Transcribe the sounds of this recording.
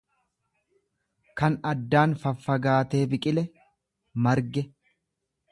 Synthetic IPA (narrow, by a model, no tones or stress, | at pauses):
kɐnɐd̪ːaːnfɐfːɐɡaːt̪e̞ːbɪkʼɪlɛ | mɐɾɡɛ